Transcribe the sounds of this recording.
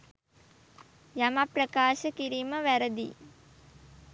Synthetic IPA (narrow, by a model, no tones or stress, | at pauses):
jamaprəkaːʃəkiɾiːməʋæɾəd̪ḭ